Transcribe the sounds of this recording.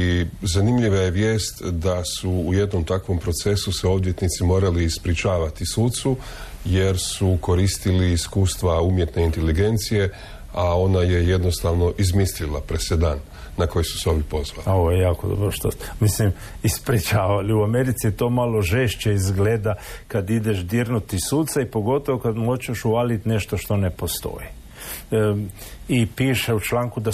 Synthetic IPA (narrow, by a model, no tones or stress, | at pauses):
izanimʎiʋaje̞ʋjeːst̪d̪asuːje̞d̪no̞mt̪akʋo̞mpɾo̞t̪se̞suseo̞bd̪je̞t̪nit̪simo̞ːɾaliːspɾit͡ʃaːʋat̪isut̪su | je̞ɾsuko̞ɾist̪iliːskuːst̪ʋaumje̞t̪ne̞int̪e̞liɡe̞nt̪sije̞ | ao̞naje̞je̞d̪no̞st̪aʋno̞ʔizmislilapɾesed̪aːnː | ako̞jisu̥seo̞bjipo̞zʋa̰loʋojejaːkod̪o̰bɾoʃt̪omislim | ispɾit͡ʃaːʋaliuameɾit̪sit̪o̞ːmalo̞ʒeʃt͡ʃeizɡled̪akad̪id̪eʃd̪iɾnut̪isut̪saipo̞ɡo̞t̪o̞ʋokad̪mot͡ʃeʃualit̪ne̞ʃt̪o̞ʃt̪o̞ne̞po̞st̪o̞̰ji | ipiːʃeut͡ʃlaːŋkud̪a